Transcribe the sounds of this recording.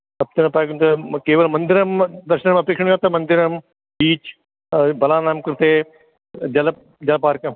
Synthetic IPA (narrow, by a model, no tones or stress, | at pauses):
ɐp̚t̪enɐpaːkunt̪ɐkeːʋəlmɐ̃nd̪ɪɾɐmd̪ɐɾʃənmɐpeːkʂʃəɳ̃ɡaːt̪ɐmɐ̃nd̪ɪɾɐm | biːt͡ʃ | bɐlaːnaːmkɐɾt̪eː | d͡ʒɐl | d͡ʒɐlpaːɾkɐ